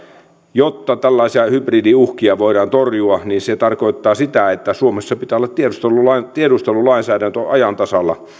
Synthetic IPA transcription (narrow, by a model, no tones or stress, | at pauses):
jot̪ːɑt̪ælːɑisiɑhybridiuhkiɑʋoiɾɑːnt̪orjuɑniːnset̪ɑrkoit̪ːɑːsit̪æet̪ːæsuomesːɑpit̪æːolːɑt̪t̪ieust̪elːulɑt̪ieɾust̪elːulɑinsæːdænt̪øʔɑjɑnt̪ɑsɑlːɑ̰